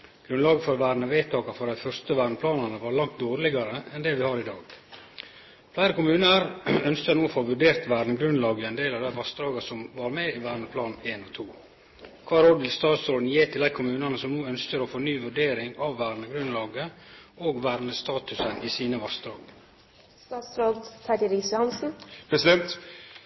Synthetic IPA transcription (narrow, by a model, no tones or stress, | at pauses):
ɡ̥ɾʉnlɑːɡəfɔɾʋæːɾɳəʋeːt̪ʰɑːkɑfɔɾd̪æɪfœɾst̪əʋæːɾɳəpʰlɑːnɑnəʋɑːɾlɑŋt̪̚d̪oːɾlɪɡɑɾəɛnd̪ɛʋɪhɑːɾɪd̪ɑːɡ | flæɪɾəkʊmʉːnəɾœnskəɾnuːɔfoːʋʉɖeːɾt̪ʋæːɾɳəɡɾʉnlɑːɡəɛɪnd̪eːlɑʋd̪æɪʋɑst̪ɾɑːɡɑsɔmʋɑɾmeiʋæːɾɳəpʰlɑːnneːnɔt̪ʰuː | kʰʋɑːɾoːd̪ʋɪlst̪ɑːt̪sɾoːd̪njeːt̪ʰɪld̪æɪkʰʊmʉːnənəsɔmnuːœnskəɾɔfoːnyːʋʉɖeːɾɪŋɑʋːæːɾnəɡɾʉnlɑːɡəoːɡʋæːɾnəst̪ɑːt̪ʉsənʔiːsiːnəʋɑst̪ɾɑːɡ | st̪ɑːt̪sɾoːd̪t̪ʰɑdɪɾishɑnsn̩pʰɾɛsɪd̪ɛnt̪